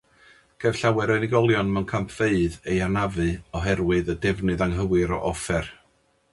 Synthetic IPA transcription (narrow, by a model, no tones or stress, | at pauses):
ɡ̥ʰɛv̥ɬawɛɾɔnɪɡɔlˠjɔnmɛwnkʰampʰv̥eɨðejanavɨɔɦɛrwɨðədɛvnɨðaŋɦəwɨɾɔ̰ʔɔfɛr